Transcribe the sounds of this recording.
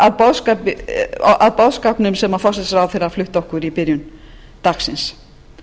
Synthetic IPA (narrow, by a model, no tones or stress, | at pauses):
aðpɔðskapɪ̰aðpɔwðskapnʏmsɛmːafɔs̬sɾawθejɾaflʏht̪ɔhkʏɾipɪɾjʏn | t̪aksɪns